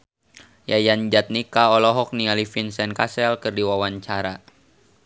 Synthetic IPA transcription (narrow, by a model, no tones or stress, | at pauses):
jajand͡ʒat̪̚nikaɔlɔɦɔk̚nialifinsɛnkasɛlkɨrdiwawaɲt͡ʃaɾa